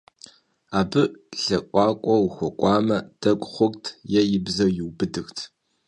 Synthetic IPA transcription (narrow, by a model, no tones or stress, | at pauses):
aːbɨɬɐkʷʼɑːkʷʼɔwxʷɔkʷʼɑːmɐd̥ɐkʷʼχʷʊkʼtʰjɛjɪbzɐwjɪwbɨdɨxtʰ